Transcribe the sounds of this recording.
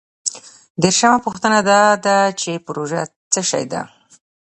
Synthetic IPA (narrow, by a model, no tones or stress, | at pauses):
d̪eɾʃamapuxt̪ənad̪ɑd̪at͡ʃepɾoʒat͡səʃa̰jd̪a̰